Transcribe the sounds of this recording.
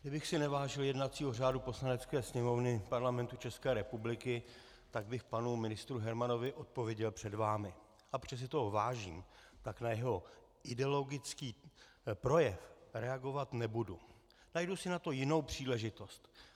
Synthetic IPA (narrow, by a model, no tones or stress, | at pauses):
ɡdɪbɪxsɪnɛvaːʒɪljɛdnat͡siːɦo̞raːdupo̞slanɛt͡skɛːsɲɛmo̞vnɪpaɾlamɛnt̪ut͡ʃɛskɛːɾɛpublɪkɪ | t̪aɡ̚bɪxpanumɪnɪst̪ɾuɦɛɾmano̞vɪʔo̞t̪̚povjɛɟɛlpr̥ɛdvaːmɪ | abr̥ɛs̬ɪt̪oɦvaːʒiːmt̪aknajɛɦo̞ | ʔɪdɛolo̞ɡɪt͡skiː | pɾo̞jɛfɾɛaɡo̞vat̪nɛbudu | najdusɪnat̪o̞jɪno̞wpr̝̥iːlɛʒɪt̪o̞st̪